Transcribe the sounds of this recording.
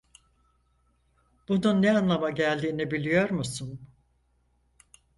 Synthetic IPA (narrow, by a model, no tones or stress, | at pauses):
b̥ununːɛanlˠamaɟælʲd̪iːnibilʲijo̞ɾmusun